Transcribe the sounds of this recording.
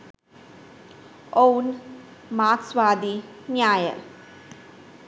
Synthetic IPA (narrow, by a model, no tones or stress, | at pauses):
own | maːksʋaːd̪i | njaːjɐ̰l